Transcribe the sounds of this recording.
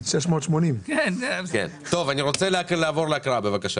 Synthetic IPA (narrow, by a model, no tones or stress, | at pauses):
ʃleʃmoːt̪ʃmonimkenkḛnt̪o̞vaniʁo̞t͡seleakleavo̞ʁleakʁaabe̞vakaʃa